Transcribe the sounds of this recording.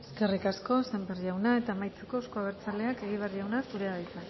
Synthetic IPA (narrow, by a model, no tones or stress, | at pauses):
eske̞rikasko̞semberʝawnae̞t̪amajt͡seko̞skoaɣ̞eɾt͡sale̞ake̞ɣ̞iβ̞earʝawnasuɾeaðajt͡s̪a